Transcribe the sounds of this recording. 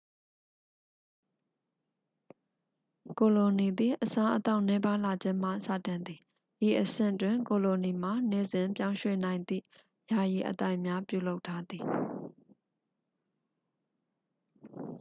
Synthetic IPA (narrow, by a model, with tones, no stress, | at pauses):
ko˨lo˨ni˨d̪ḭ˦˨ʔəsã˦ʔət̪a˦ʊʔnɛ˦ba˦la˨d͡ʑɪ̃˦m̥a̰˦˨sä̰˦˨tɪ̃˨nd̪i˨ | ji˨ʔəsɪ̰̃˦˨twɪ̃˨ŋko˨lo˨ni˨m̥a˨ne˦˨zɪ̃˨mpjã˦ʊ̃ʃwḛ˦˨nã˨ɪ̃nd̪ḭ˦˨ | ja˨ji˨ʔə̰t̪a˦ɪʔmja˦pjṵ˦˨lo˦ʊtʰːa˦d̪i˨